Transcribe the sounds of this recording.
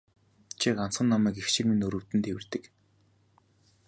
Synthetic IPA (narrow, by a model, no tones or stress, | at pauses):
t͡ɕʰikan̥t͡sχə̆nːamæːkext͡ɕɪ̆rminɵɾɵ̆wt̪ɘ̆nt̪ʰewɘ̆rt̪ɘ̆k